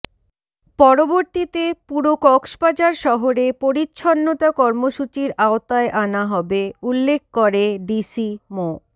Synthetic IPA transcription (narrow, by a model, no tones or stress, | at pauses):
pɔɾoboɾt̪it̪epuɾokɔkʃpad͡ʑaɾʃɔɦoɾepoɾitːɕʰonːot̪akɔɾmoʃut͡ɕiɾaot̪aeʔanaɦɔbeulːek̚ʰkoɾeɖisimo